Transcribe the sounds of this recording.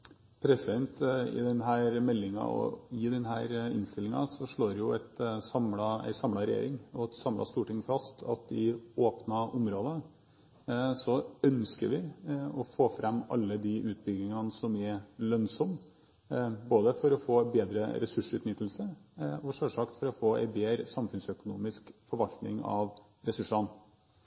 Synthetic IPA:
pʰɾɛsɛnt̪ɪ̰d̪ɛnɦæːɾmɛlːɪŋɑ̰ɔ̰ɪd̪ɛnɦæːɾɪ̰nst̪ɪlːɪŋɑ̰sɔʂɭoːɾjʊɛt̪sɑmlɑɛ̰ɪsɑmlɑɾɛjḛːɾɪŋɔt̪sɑmlɑ̰st̪uːʈɪŋfɑst̪ʰɑ̰t̪ɪoːpnɑʔʊmɾoːd̪ə | sɔœnskəɾʋɪɔfoːfɾʔɛmːɑ̰lːəd̪iʔʉːt̪̚bʏɡ̪ɪŋɑnsɔmɛɾlœnsɔm | boːd̪əfɔɾɔfoːbeːd̪ɾə̰ɾɛsʉʂʉːt̪nɪt̪ːəlsəɔʂøːʂɑkt̪fɔɾɔfoːæ̰ɪbeːɾəsɑmfʉnsœkʊnuːmɪskfɔɾʋɑlt̪nɪ̰ŋɑ̰ʋ | ɾɛsʉʂɑn

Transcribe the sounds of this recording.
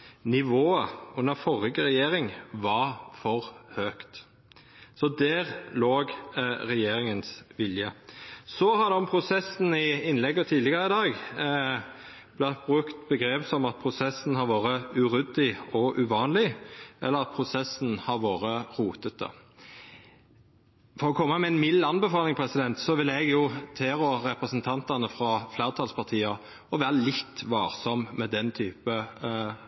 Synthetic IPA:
nɪʋoːəʉnːəʁfɔʁɪɡəʁɛjeːɾɪŋʋɑɾfɔʁhøːkt̪ | sɔd̪ɛːʁloːɡʁɛjeːɾɪŋənsʋɪljəsɔhɑd̪ɛʊmpʰʁʊsɛsn̩ɪɪnlɛɡːɔt̪ʰiːd̪lɪɡɑɾəɪd̪ɑːɡ | b̥lɑt̪̚bʁʉkt̪bəɡɾeːpsɔmɑt̪̚pʰʁʊsɛsn̩hɑɾʋoːɾəʉɾʏd̪ɪɔʔʉʋɑːnlɪʔɛlːəʁɑt̪̚pʰɾʊsɛsːn̩hɑɾʋoːɾəɾuːt̪ət̪̚d̪ə̰ | fɔɾɔkʰɔmːɑmɛɛnmɪlːɑnbɛfɑːlɪŋpʰɾɛsɪd̪ɛnt̪sɔʋɪlɛɡjʊt̪ʰeːʁɔɾɛpɾɛsənt̪ʰɑnt̪ɑnəfɾɑflæːɾət̪ʰɑːlspʰɑʁt̪ʰiːɑ | ɔʋæːɾəlɪt̪ːʋɑːɾsɔmmɛd̪ɛnt̪ʰyːpə

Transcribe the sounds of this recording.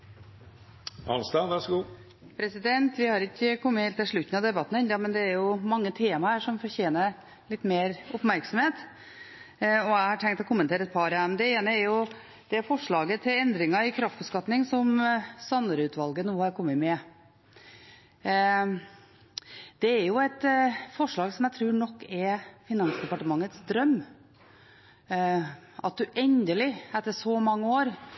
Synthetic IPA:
hɑ̰nsd̪ɑʋæʂɡuː | pʰɾɛsɪd̪ɛnt̪ʋɪhɑɾɪkːəkʰɔmːəheːlt̪ːɪlʂɭʉt̪ːn̩ɑd̪ɛbɑt̪ːn̩ɛnd̪ɑmɛnd̪ɛæɾjʊmɑŋːət̪ʰeːmɑhæːʂɔmfɔɾçeːnəɾ | lɪt̪ːmeːɾʊpmæɾksɔm̩heːt̪ | ɔæɪhɑʈʰɛŋkt̪ɔkʰʊmːənt̪eːɾəɛt̪̚pʰɑɾæmd̪ɛeːnəæɾjʊ | d̪̥ɛæɾfɔʂɭɑːɡət̪ʰɪlɛnd̪ɾɪŋɑɪkʰɾɑft̪̚bəskɑt̪nɪŋsɔmsɑnəɾʉːt̪ʋɑlɡənuːəhɑɾkʰɔmːəmɛ | d̪̥ɛːɾjʊɛt̪fɔʂɭɑːɡsɔmjæɪt̪ʰɾʉːɾɳɔkːɛɾfɪnɑnsd̪ɛpɑʈəmɑŋːət̪sd̪ɾœmː | ʔɑ̰t̪̚d̪ʉʔɛnd̪əlɪæt̪ːəʂɔmɑŋːəoːɾ

